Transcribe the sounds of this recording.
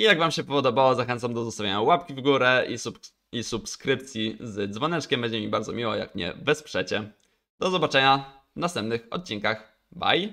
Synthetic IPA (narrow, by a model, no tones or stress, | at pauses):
ijaɡvamɕɛpɔɔd̪ɔbawɔzaxɛnt̪amd̪ɔzɔst̪avʲeɲawapkʲivɡuɾɛi | isupskɾɘp̚t̪sʲjizd̪zvɔnɛt͡ʂkʲɛmbɛɲd͡ʑɛmʲibaɾd̪zɔmʲiwɔja̰kmɲɛ̰vɛspʂɛt͡ɕɛ | d̪̥ɔzɔbat͡ʂɛɲa | vnast̪ɛmp̚nɘxɔ̰t̪̚t͡ɕiŋkax | ba̰j